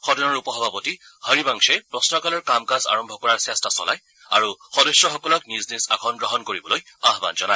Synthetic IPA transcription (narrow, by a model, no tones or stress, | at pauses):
xɔdɔnɔɹupɔɦɔbʱapɔti | həɹibaŋsɛpɹɔsnɔkalɔɹkamkaza̰ɹɔmbʱɔkɔɹaɹsɛstasɔ̰laj | aɹuxɔdɔsɹɔxɔkɔlɔkniznisa̰kʰɔnɡɹɔɦɔnkoɹibɔloj | aɦba̰nzɔnaj